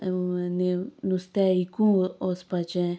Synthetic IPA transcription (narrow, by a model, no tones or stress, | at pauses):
nĩnũst̪eikũospat͡ʃẽ